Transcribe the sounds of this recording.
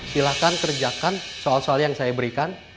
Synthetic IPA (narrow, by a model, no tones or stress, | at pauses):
silakankərd͡ʒakansoalsoaljaŋsajabəɾikan